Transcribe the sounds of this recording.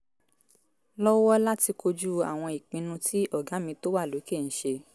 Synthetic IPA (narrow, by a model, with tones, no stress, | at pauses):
lɔ˦wɔ˦la˦ti˧ko˧d͡ʒu˦a˨w̃ɔ̃˧i˨k͡pĩ˨˧nũ˧tʰi˦ʔɔ˦˨ɡa˨˦mĩ˧to˦wa˦˨lo˨˦ke˦˨n̩˨˦ʃe˧